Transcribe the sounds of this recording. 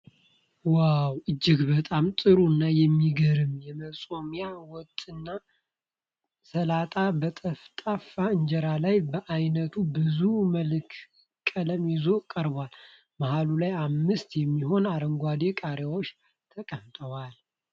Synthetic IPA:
wawɨd͡ʒːɪɡbət̪ʼamt̪ʼɨɾunːajɛmːiɡəɾɨmjɛməsʼo̞mijawɔt̪ʼːɨnːa | səlat̪ʼabət̪ʼəft̪ʼafaɨɲd͡ʒɛɾalajbəʔajnət̪ʰubɨzuməlk | kʼːələmjɪzo̞kʼəɾbwal | mahalulajamːɨst̪jɛmːiɦo̞naɾəŋɡʷad̪ekʼaɾewot͡ʃː | t̪ʰəkʼəft̪ʼəwal

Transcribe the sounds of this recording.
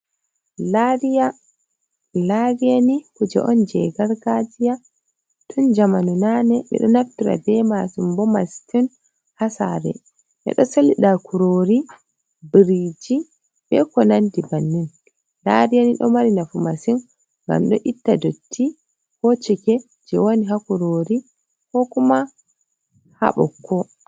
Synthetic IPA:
laɾija | laɾijanikud͡ʒɛ̰ʔɔnd͡ʒɛɡaɾɡad͡ʒija | tʰund͡ʒamanunanɛɓɛ̰ɗɔnaftiɾa̰bɛmasumbɔmastin | hasa̰ɾɛ̰ | ʔɛ̰ɗɔsaliɗakuɾoɾi | biɾid͡ʒi | bɛkɔnandibanːin | laɾijaniɗɔmaɾinafumasin | ŋɡa̰mɗɔ̰ʔitːadotʰːi | hot͡ʃikɛ | d͡ʒɛwoniɦakuɾoɾi | kɔkuma | ha̰ɓɔ̰kʰːɔ

